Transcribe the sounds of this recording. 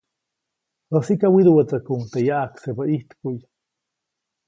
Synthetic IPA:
asikawiðuwat͡sakuŋt̪ejaʔaksepaʔiht̪kuj

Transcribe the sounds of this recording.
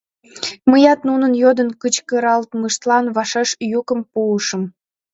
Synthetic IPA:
məjɑt̪nunənjod̪ənkət͡ɕkəɾɑlt̪məʃt̪lɑnβɑʃɑʃjukə̆mpuːʃə̆m

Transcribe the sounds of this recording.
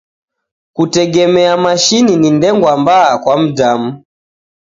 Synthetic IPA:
kutɛɡɛmɛamaʃininindɛŋɡwambaːkwam̩damu

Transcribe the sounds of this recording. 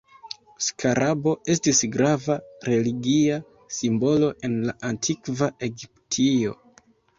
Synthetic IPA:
skʰaɾabo̞e̞stisɡɾavaɾe̞liɡia | simbo̞lo̞ʔe̞nlaʔantʰikvae̞ɡip̚tʰio̞̰

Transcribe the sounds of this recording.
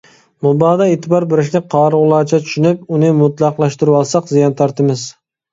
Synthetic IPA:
mʊbɑːd̪ɑeːt̪ʰɪbɑɾbɪɾɪʃ̬nɪqʰɑːɾʁʊlˠɑːt͡ʃʰɛt̪ʰy̥ʃynɪp̚ʊnɪmʊt̪lˠɑqlˠɑʃt̪ɪɾɪwɑlˠsɑqzijɑnt̪ʰɑɾt̪ɪmɪz

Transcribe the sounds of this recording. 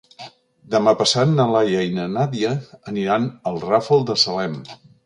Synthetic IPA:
d̪əmapəsat̪nəlajainənaðiəːniɾanəlˠrafəlˠd̪əsəlɛm

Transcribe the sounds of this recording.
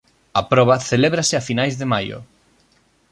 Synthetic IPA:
ɐpɾɔβ̞ɐθeleβɾasɪafinajzðemajʊ̰

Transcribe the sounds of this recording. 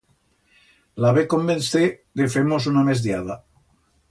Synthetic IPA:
laβekombenθeðefemosunamezðjaða

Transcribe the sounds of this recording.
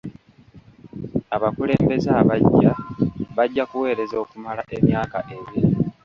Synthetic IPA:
aβakule̞ːmbe̞za | βaɟːakuwe̞ːɾe̞zo̞ːkumalaʔe̞mjaːkaʔe̞βii

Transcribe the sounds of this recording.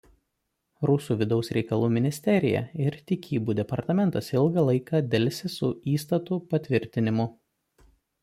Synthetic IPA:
ɾʊsuːʋʲɪd̪ɒʊsɾʲɛɪkɐlˠuːmʲɪnʲɪsʲt̪ʲɛɾʲɪjɛ̰ɪɾt̪ʲɪkʲiːbuːd̪ʲɛpɐɾt̪ɐmʲɛnt̪ɐsɪlˠɡɐlˠɐɪkɑd̪ʲɛlʲsʲɪsʊiːst̪ɐt̪upɐt̪ʲʋʲɪɾʲt̪ʲɪnʲɪmʊ

